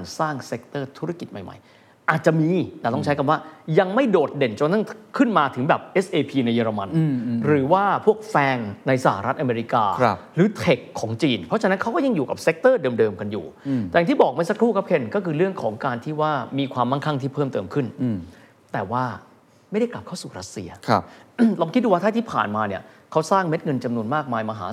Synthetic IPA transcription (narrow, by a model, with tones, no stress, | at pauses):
nsaː˥˩ŋse˦˥k̚t̪ɤː˥˩t̪ʰu˦˥ɾa˥˩ki˨˩t̪̚ma˨˩jma̰˨˩˦j | ʔaː˨˩t̪̚t͡ɕa˨˩ʔmiː˧t̪ɛː˨˩t̪ɔ˥˩ŋt͡ɕʰa˦˥jka˧waː˥˩ja˧ŋma˥˩jdoː˨˩t̪̚de˨˩nt͡ɕo˧nt̪ʰa˥˩kʰɯ˥˩nmaː˧t̪ʰɯ˩˦ŋbɛː˨˩p̚ʔe˦˥sʔeː˧pʰiː˧na˧jːɤː˧ɾa˧ma˧nɾɯː˩˦waː˥˩pʰu˥˩ək̚fɛː˧nna˧jsa˧˩ha˧ɾa˦˥t̪̚ʔa˧meː˧ɾi˦˥kaː˧ɾɯː˩˦t̪ʰe˨˩kʰːɔː˩˦ŋt͡ɕiː˧npʰɾɔ˦˥t͡ɕʰa˧nːa˦˥nkʰa˦˥wkɔ˥˩ja˧ŋjuː˨˩ka˨˩p̚se˦˥k̚t̪ɤː˥˩dɤː˧mdɤː˧mka˧njṵː˨˩t̪ɛː˨ŋiː˥˩bɔː˨˩k̚maː˥˩sa˧˦kʰɾuː˥˩kʰa˦˥p̚kʰe˧nkɔː˥˩kʰɯː˧ɾɯ˥˩əŋkʰɔː˩˦ŋkaː˧nt̪ʰiː˥˩waː˥˩miː˧kʰwaː˧mːa˥˩nkʰa˥˩ŋt̪ʰiː˥˩pʰɤː˥˩mt̪ɤː˧mkʰɯ˥˩n | t̪ɛː˨˩waː˥˩ | ma˥˩jda˥˩jkla˨˩p̚kʰa˥˩suː˨˩ɾa˦˥t̪̚sḭ˧ɐ˧ɾɔː˧mkʰi˦t̪̚duː˧waː˥t̪ʰa˥˩t̪ʰiː˥˩pʰa̰ː˨˩nmaː˧ni˦˥˩ɐ | kʰa˦˥wsaː˥˩ŋme˦˥t̪̚ŋɤ˧nt͡ɕa˧mnu˧ənmaː˥˩k̚maː˧jmaː˧ɦa̰ː˩˦